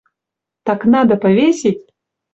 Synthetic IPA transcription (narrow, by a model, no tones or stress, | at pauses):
t̪ɑknɑd̪ɐpɐvʲesʲetʲ